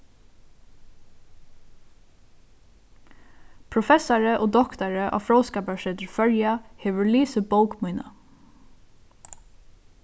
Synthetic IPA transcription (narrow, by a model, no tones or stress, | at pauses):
pʰɾʊfɛsaɹəʔoːd̪ɔkt̪aɹəʔɑ̰ːfɹɔʊskɑːpaʃɛːt̪əɹfœɹjaheːʋəɹliːsəboʊkmʊɪnə̰